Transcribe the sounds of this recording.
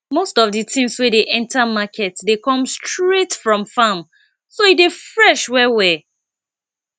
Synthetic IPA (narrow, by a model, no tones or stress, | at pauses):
mostɔvditʰĩmswedeʔɛ̃ntʰamakʰɛtdekɔ̃mstɹetfɹɔ̃mfam | soidefɹɛʃwɛwɛ